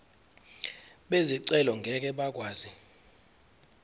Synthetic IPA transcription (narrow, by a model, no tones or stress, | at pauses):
ɓeziǀɛlɔŋɡʱɛk̬ʼɛɓak̬ʼwaːzi